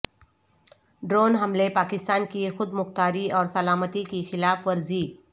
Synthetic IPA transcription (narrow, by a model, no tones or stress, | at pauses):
ɖɾoːnɦɐmlepaːkɪst̪aːnkixʊd̪mʊxt̪aːɾiɔːɾsɐlaːmət̪ikixɪlaːfʋɐɾziː